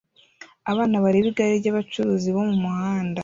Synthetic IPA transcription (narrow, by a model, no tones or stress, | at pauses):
aβaːnaβaɾiβiɡaɾiβɟaβat͡ʃuɾuːziβo̞mumuhaːnda